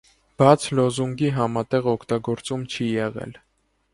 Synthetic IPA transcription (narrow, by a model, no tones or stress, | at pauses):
b̥ɑt͡sʰlɔzuŋɡiɦɑmɑt̪ɛʁɔkʰt̪ɑɡɔɾt͡sumt͡ʃʰijɛʁɛ̰l